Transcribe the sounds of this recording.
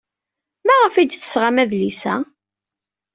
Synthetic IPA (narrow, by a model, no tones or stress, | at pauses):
mæʁəfid̪θə̥sʁamæðlisæ̰